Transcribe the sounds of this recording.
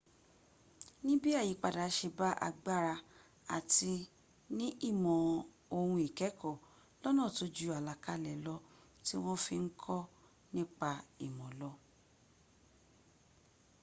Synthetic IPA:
nĩ˦bi˦a˦˨ji˨˦k͡pa˨da˨˦ʃe˧ba˦ʔa̰˧ɡ͡ba˦˨ɾa˧ | a̰˨ti˧ | nĩ˦ʔi˦˨mɔ̃˨ | o˧hũ˧i˨kɛ˨˦kɔ˦˨ | lɔ˦nãː˦˨to˨˦d͡ʒu˦a˨la˨ka˧lɛ˨lɔ˧ | ti˦w̃ɔ̃˦fi˧ŋ̩˦kʰɔ˦ | nĩ˦k͡pa˧i˨mɔ̃˨lɔ˧˦

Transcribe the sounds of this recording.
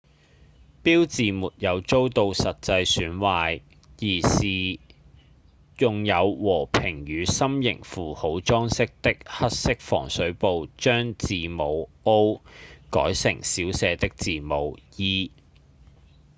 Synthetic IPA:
piː˥wt͡siː˨muː˨t̚jɐ˨˧wt͡so˥wt̪o˧wsɐ˨t̚t͡sɐ˧jsyː˨˥nwaː˧j | jiː˨˩siː˨˩ | jʊ˨ŋjɐ˨˧wwɔː˨˩pʰɪ˨˩ŋjyː˨˧sɐ˥mjɪ̰˨˩ŋfuː˨ho˨˥wt͡ʃɔː˥ŋsɪ˥k̚t̪ɪ˥k̚hɐ˥t̚sɪ˥k̚fɔ̰ː˨˩ŋsɵ˨˥ɥpo˨˧wt͡ʃœː˥ŋt͡siː˨mo˨˧wo˥wkɔ̰ː˨˥jsɪ̰˨˩ŋsiː˨˥wsɛː˨˧t̪ɪ˥k̚t͡siː˨mo˨˧wjiː˥

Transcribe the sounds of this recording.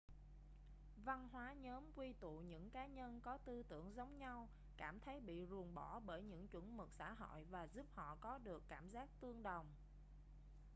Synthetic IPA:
va˧nɦwaː˨˦ɲəː˨˦mkwi˧t̪ṵ˧˨ɲɨ̰˧˥ŋkaː˨˦ɲə˧nkɔ˨˦t̪ɨ˧t̪ɨ˧˩əŋzə˨˦wŋ͡mɲa˧w | kaː˧˩mt̪ʰə˨˦jɓḭ˧˨zu˨˩ənɓɔ˧˩ɓəː˧˩jɲɨ̰˧˥ŋt͡ɕwə˧˩nmɨ˨˩k̚sa̰ː˧˥ɦo̰˧˨jvaː˨˩zu˦˥p̚hɔ̰˧˨kɔ˨˦ɗɨ˨˩əkːaː˧˩mzaː˦˥k̚t̪ɨ˧əŋɗə˨˩wŋ͡m

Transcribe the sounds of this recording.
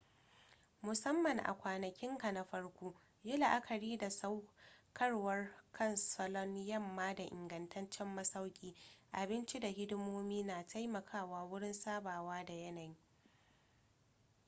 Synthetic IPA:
mʊ˨sɐ˦mːɐ˨ŋʔa̰˨kʷaː˨nɐ˨kʲɪ˦ŋkɐ˨nɐ˦ɸɐ˦rkʷouː˦ | jɪ˦la˨ʔa˦kʰɐ˨ɽiː˦da˨sa˦wkʰɐ˦rwɐ˦rkʰɐ˦˨nsɔ˨lɔ˦n˦jɐ˦˨mːaː˦da˨ʔɪ̰˨ŋɡɐ˨ntʰɐ˦nt͡ʃɛ˦mːɐ˦sa˦wkʲʼiː˦ʔa˨bɪ˦nt͡ʃi˦da˨ɦɪ˦dʊ˦moː˦miː˦naː˨tʰa˦jmɐ˨kʰaː˦˨waː˦wʊ˦ɽɪ˦nsaː˦baː˨waː˦da˨jɐ˦nɐ˨j

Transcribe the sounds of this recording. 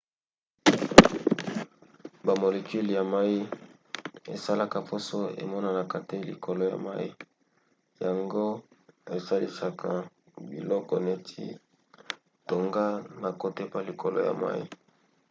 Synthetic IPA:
ba˨mo˨le˨ki˦li˨ja˨ma˦i˦ | ḛ˨sa˦la˦ka˨po˦so˦ḛ˨mɔ˦na˨na˨ka˨te˦lḭ˨kʰo˨lo˦ja̰˨ma˦i˦ | ja˨ŋɡo˦e˨sa˦li˦sa˨kʰa˨ | bi˨lɔ˦kɔ˨ne˦tʰḭ˦ | to˨ŋɡa˦na˨ko˦te˦pa˦li˨kʰo˨lo̰˦ja̰˨ma̰˦ḭ˦

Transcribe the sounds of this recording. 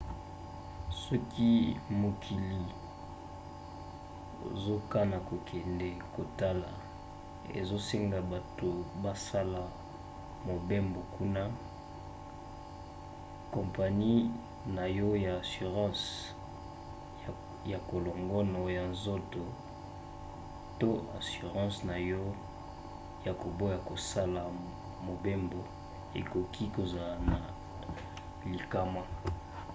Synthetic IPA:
sɔ˦ki˦mo˨kʰi˨li˨ | o̰˨zo˦ka˦na˨ko˨kʰɛ˨ndɛ˨ko˨ta˦la̰˨ | ḛ˨zo˦se˦ŋɡa˨ba˨to˨ba˦sa˦la˨ | mo˨be˦mbo˨kʰu˦na˦ | kɔ̃˨mpa˨ni˦ | na˨jɔ˦ja˨a˨sy˨ʁɑ̃˦s | ja˨ko˨lo˨ŋɡɔ˦no˨ja˨nzo˦to˨ | to˦a̰˨sy˨ʁɑ̃˦sna˨jɔ˦ | ja˨ko˨bo˦ja˨ko˨sa˦la˨ | mo˨be˦mbo˨ | ḛ˨ko˨kʰi˦ko˨za˨la˨na˨ | li˨ka˦ma˦

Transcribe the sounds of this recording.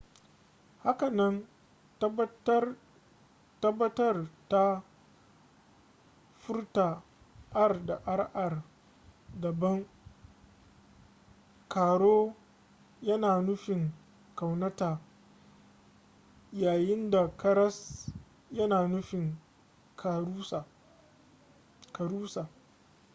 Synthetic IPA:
ha˦ka˨nɐ˦n˦ | tɐ˦bːɐ˦tɐ˦rta˦ | ɸʊ˦rta˨ | ʔa˦rda˨ʔa˦rʔa˨r | dɐ˨bɐ˦ŋ | kaː˨ɽoː˦ | jɐ˦naː˨nʊ˦ɸɪ˨ŋ | ka˨wnɐ˦taː˨ | jaː˨jɪ˦nda˨kɐ˦ɾɐ˦s | jɐ˦naː˨nʊ˦ɸɪ˨ŋ | kʰːs | kɐ˨ɾuː˦saː˨

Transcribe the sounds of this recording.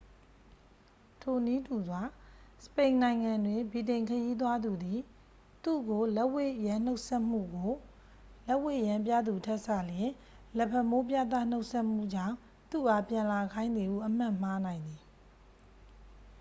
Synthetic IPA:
tʰo˨ni˦tʰu˨zwa˨sə̥pẽ˨ɪ̃nã˨ɪ̃ŋã˨ndwɪ̃˨mbi˨tẽ˨ɪ̃ŋkʰəji˦t̪̬wa˦d̪u˨d̪i˨ | t̪ṵ˦˨ɡo˨lɛ˦ʔwe˦˨jã˨n̥o˦ʊʔsɛ˦ʔm̥ṵ˦˨ɡo˨ | lɛ˦ʔwḛ˦˨jã˨mp̬ja̰˦˨d̪u˨tʰɛ˦ʔsä̰˦˨ljɪ̃˨ | lɛ˨pʰɛ˨mo˦pja˦˨t̪̬ä̰˦˨n̥o˦ʊʔsʰɛ˦ʔm̥ṵ˦˨d͡ʑã̰˦˨ʊ̃ | t̪ṵ˦˨ʔa˦˨pjã˨la˨kʰã˦ɪ̃nd̪ði˨ʔṵ˦˨ʔəm̥ã̰˦˨m̥a˦nã˨ɪ̃nd̪ði˨

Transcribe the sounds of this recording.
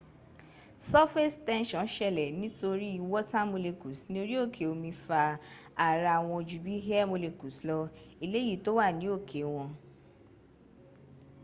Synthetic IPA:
sɔ˦fe˦stɛ̃˦nʃɔ̃˨˦n˦ʃɛ˦˧˨lɛ˨nĩ˨˦to˧ɾi˦i˧wɔ˦ta˦mo˧le˧ku˨˦snĩ˦to˧ɾi˦o˦˨kʰe˨o˧mĩ˧fa˧a˨ɾa˧˨a˨w̃ɔ̃˧d͡ʒu˨bi˨˦ɦa˦mo˧le˧ku˨slɔ˧i˧le˦ji˦˨to˦wa˦˨nĩ˨˦o˦˨kʰe˨˦w̃ɔ̃˧

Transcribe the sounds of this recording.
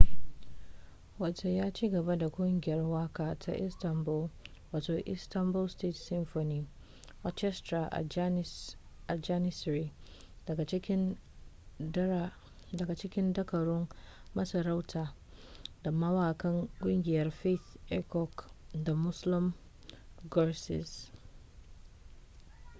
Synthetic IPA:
wa˨to˨jaː˦t͡ʃiː˦ɡɐ˨ba˦da˨kʷʼʊ˦ŋɡʲɪ˨jɐ˦rwaː˦kaː˨tʰa̰˦ʔɪ˦stɐ˨mbʊ˦l | waː˨toː˨ʔɪ̰˦stɐ˦mbʊ˦lste˦tsɪ˦mfo˨niː˦ | hɔ˦t͡ʃɛ˦stɾa˨ʔa̰˨ | ʔa˨d͡ʒa˦nɪ˦sɾi˦˨ | ɡa˨t͡ʃkʲɪ˦ | dɐ˨ɡa˨t͡ʃɪ˦kʲɪ̃˦ndɐ˦kʰɐ˨ɾʊ̃˦nmɐ˦sɐ˨ɾa˦wtʰa˨ | da˨ma˦wa˦˨kʰɐ̃˦ŋɡʊ̃˦ŋɡʲɪ˨jɐ˦ɾfe˦tɛ˦kʰɔ˨kda˨mʊ˦slɪ̃˦m | ɡɔ˦sɪ̰˨s

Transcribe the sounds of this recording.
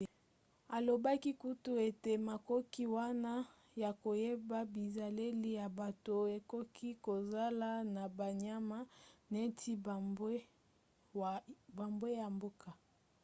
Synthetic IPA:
a˨lo˨ba˦ki˦ku˦tu˦e˨te˨ma˨kɔ˦ki˦wa˦na˦ | ja˨ko˨je˦ba˦bi˨za˨le˦li˦ja˨ba˨to˨e˨kɔ˦kʰi˦ko˨za˦la˦na˨ba˨ɲa˦ma˦ne˦tʰi˦be˦ | ba˨mbwe˦ja˨mbo˦ka˨

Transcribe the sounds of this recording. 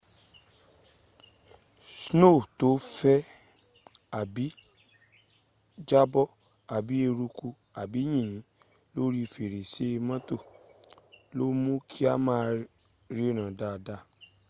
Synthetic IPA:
sno˦˨to˨˦fɛ˦ | a˨bi˨˦ | d͡ʒa˦bɔ˦ | a˨bi˨˦e˧ɾu˧ku˧ | a˨bi˨˦j̃ĩ˦˨ĩ˨˦ | lo˦ɾi˦˨fe˨ɾe˨se˦˧mã˦to˦˨ | lo˦mũ˦kʰi˦a˦mãː˦˧ | ɾi˦o˦˨nã˨da˧˨da˦

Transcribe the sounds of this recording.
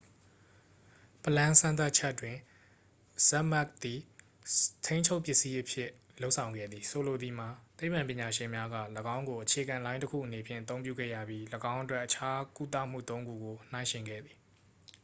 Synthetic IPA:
pəlã˦sã˦nt̪̬a˦ʔ̚t͡ɕʰɛ˦tːwɪ̃˨ | z̥ɛ˦ʔmɛ˦k̚t̪i˨ | tʰẽ˦ɪ̃ɲt͡ɕʰo˦ʊpjɪ˦ʔsi˦ʔəpʰjɪ˦ | lo˦ʔsʰã˨ʊ̃ŋɡɛ̰˦˨d̪ði˨so˨lo˨d̪ði˨m̥a˨t̪e˦ɪpːã˨mpjɪ̃˨ɲa˨ʃɪ̃˨mja˦ɡä̰˦˨ləɡã˦ʊ̃ŋɡo˨ʔət͡ɕʰe˨ɡã˨lã˦ɪ̃təkʰṵ˦˨ʔəne˨pʰjɪ̃˦˨ʔət̪̬õ˦ʊ̃mpjṵ˦˨ɡɛ̰˦˨jä̰˦˨bji˦ləɡã˦ʊ̃ʔətwɛ˦ʔːət͡ɕʰa˦ku˦t̪ä̰˦˨m̥ṵ˦˨t̪õ˦ʊ̃ŋɡṵ˦˨ɡo˨n̥ã˦ɪ̃ʃɪ̃˨ŋɡɛ̰˦˨d̪ði˨

